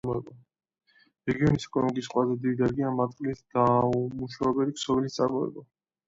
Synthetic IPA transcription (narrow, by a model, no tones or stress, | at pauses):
ɔɛba | ɾɛɡiɔnisɛkʼɔnɔmikʼisχqʼwazɛd̪id̪id̪aɾɡiamat̪ʼχqʼlisɡ̪̥amuʃaɛbɛliksɔbilist̪sʼaɾmɔɛ̰ba